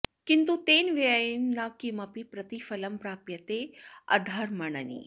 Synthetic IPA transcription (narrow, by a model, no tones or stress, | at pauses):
kint̪ut̪eːnʋeajinːakimɐpipɾɐt̪ifɐlɐmpɾaːpjɐt̪eɐ̰d̪ʱɐɾmɐɳɐnḭː